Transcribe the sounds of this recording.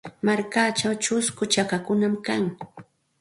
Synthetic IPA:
maɾkat͡ʃawt͡ʃʊskʊt͡ʃakakʊnamkaŋ

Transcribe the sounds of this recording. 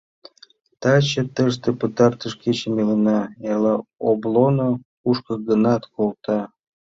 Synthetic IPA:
t̪ɑt͡ɕĕt̪əʃ̬t̪ĕpət̪ɑrt̪əʃket͡ɕə̆melənɑelɑoblono | uʃkɤ̆ɡənɑt̪kʰolt̪ɑ

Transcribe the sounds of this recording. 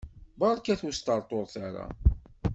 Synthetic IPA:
bɑɾˤkæθwust̪əɾˤt̪ˤoɾˤθaɾa̰

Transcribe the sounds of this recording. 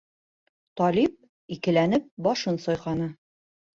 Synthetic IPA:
t̪ɒlip̚ | ikɘ̆lænɘp̚bɒʃɤnsɒjqɑnɤ

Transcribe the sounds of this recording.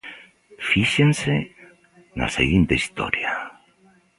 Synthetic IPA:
fiʃense | na̰sḛɣint̪eist̪o̰ɾja

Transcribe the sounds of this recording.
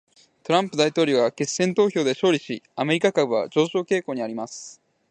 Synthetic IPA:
t̪o̞ɾãmpɯ̟d̪ait̪o̞ːɾʲoːβake̞sːẽ̞nt̪o̞ːço̞ːd̪e̞ɕo̞ːɾʲiɕiame̞ɾʲikakabɯ̟βa̰d͡ʑo̞ːɕo̞ːke̞ːko̞ːɲ̟iaɾʲimasɨ̥

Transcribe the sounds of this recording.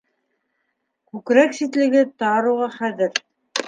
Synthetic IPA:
kʉkɾæksit̪lɘ̆ɡɘt̪ɑɾuʁɑχæðɘɾ

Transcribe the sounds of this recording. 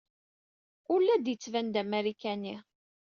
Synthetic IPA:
ʊlːæd̪jət͡sːvænd̪æmæɾikæni

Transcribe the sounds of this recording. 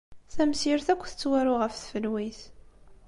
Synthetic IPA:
θæmsiɾθækʷːθə̥t͡sːwæɾʊʁəfθfəlwiθ

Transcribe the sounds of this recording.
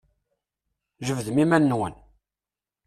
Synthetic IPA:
ʒəvðəmimænːwə̰n

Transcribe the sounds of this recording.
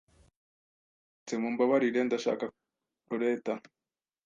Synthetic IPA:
t͡semumbaβaɾiɾendaʃa̰ːka | uɾeːta

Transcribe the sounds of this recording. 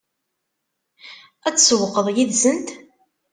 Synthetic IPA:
æt͡sːsəwəqːəðˤjiðsənt̪

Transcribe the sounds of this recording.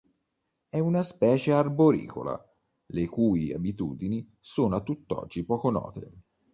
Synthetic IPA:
ɛunaspɛːt͡ʃearboɾḭːkʰo̰la̰ | lekuːia̰bit̪ṵːd̪ini | soːnoat̪ːut̪ːɔ̰d͡ʒːipɔːkonɔ̰ːt̪ḛ

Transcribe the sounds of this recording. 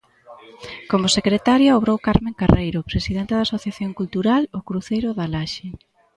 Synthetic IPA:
komʊsekɾet̪aɾjɐoβɾowkaɾmẽŋkarʔejɾopɾesiðent̪eðasoθjaθjoŋkult̪uɾalokɾuθejɾʊðalaʃe

